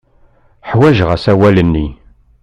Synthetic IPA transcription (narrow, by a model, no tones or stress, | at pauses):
ħwæʒʁəsæwælənːi